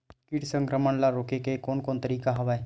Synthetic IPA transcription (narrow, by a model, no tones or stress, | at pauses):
kɪʈsə̃ŋkɾəməɳlaɾoːkekekoːnkoːnt̪əɾiːkaɦɐʋae